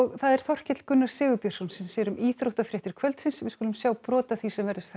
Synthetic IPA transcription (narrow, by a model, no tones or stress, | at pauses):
ɔɣθaðɛɾ̥θɔr̥cɛt̪l̥kʏnːaɾ̥sɪːɣʏpjœɾ̥sɔnsɛmsɛːɾʏmʔiːθɾowht̪afɾɪht̪ʏɾ̥kʰvœlt̪sɪnsɛmvɪskuːlʏmsjaːwpɾɔːt̪aθisɛmvɛɾðɪɾt̪θa